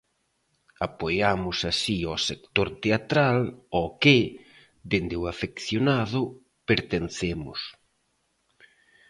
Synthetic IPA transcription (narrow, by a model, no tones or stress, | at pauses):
apojamʊsasiɔsekt̪oɾt̪eat̪ɾalɔkɪ | d̪end̪ɪʊafekθjonaðʊ | peɾt̪enθemʊ̰s